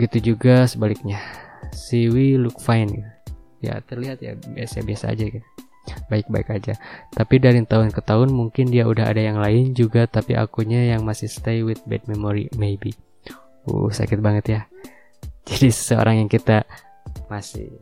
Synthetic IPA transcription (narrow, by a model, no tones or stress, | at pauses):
ɡit̪ud͡ʒuɡasəbalɪk̚ɲasiwilʊk̚fajnk | ja̰t̪ərliɦat̪̚ja̰biasaja̰biasa̰ːd͡ʒak | baɪk̚baɪkad͡ʒat̪apidaɾint̪aɦʊnkət̪aɦʊnmuŋkɪndiaudaɦa̰dajaŋlaɪnd͡ʒuɡat̪apiʔa̰kuɲajaŋmasɪhsə̥t̪ejwɪt̪̚bɛ̰d̚memoɾḭmejbi | ṵhsa̰kɪt̪̚baŋət̪ja | d͡ʒadisə̥səo̰ɾaŋjaŋkit̪a | masɪ̰h